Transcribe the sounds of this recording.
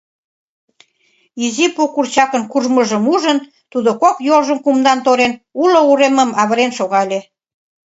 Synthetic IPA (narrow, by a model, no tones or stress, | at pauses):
izipokurt͡ɕɑkənkurməʒəmuʒən | t̪ud̪okokjolʒəmkumd̪ɑnt̪oɾenulouɾeməmɑβəɾenʃoɣɑlʲe